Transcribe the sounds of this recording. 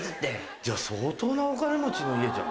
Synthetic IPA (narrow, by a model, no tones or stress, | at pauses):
ɨt̪ːe | d͡ʑaːso̞ːt̪o̞ːnaokaɾemot͡ɕino̞ied͡ʑã̰